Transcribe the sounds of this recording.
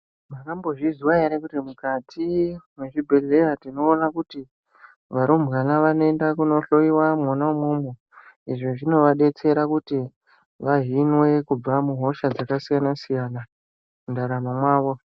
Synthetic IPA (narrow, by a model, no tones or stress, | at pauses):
makambo̞ʐiziwaeɾekutimukatʰimweʐibʱe̞ɮe̞ɾatino̞ːnakuti | ʋaɾumbɣanaʋano̞endakuno̞ɬo̞iwamonaumumo | iʐoʐino̞ʋaɗe̞t͡se̞ɾakuti | ʋaʐinwe̞kub͡vamuɦo̞ʃad͡zakasijanasijana | kundaɾamamwaːʋo̞